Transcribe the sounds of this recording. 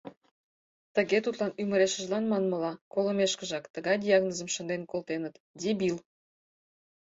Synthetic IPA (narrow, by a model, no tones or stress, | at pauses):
t̪əɣet̪ut̪lɑnyməɾeʃə̆ʒlɑnmɑnməlɑkoləmeʃkəʒɑkt̪əɣɑjd̪ʲijɑɣnozəmʃə̆nd̪enkolt̪enət̪ | d̪ʲibil